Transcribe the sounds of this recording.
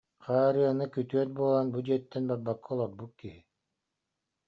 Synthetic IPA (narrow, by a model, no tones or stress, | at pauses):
qaːɾɯanɯkyt̪yœt̪̚buɔlˠanbud͡ʑiɛt̪ːɛnbaɾbakʰːɯɔlˠɔɾbut̪̚kiɦi